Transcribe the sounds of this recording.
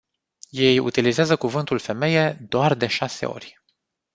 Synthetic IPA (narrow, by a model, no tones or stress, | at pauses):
je̞jṵt̪ilizeazəkuvɨnt̪ulfe̞me̞je̞d̪oard̪e̞ʃase̞̰o̞̰rʲ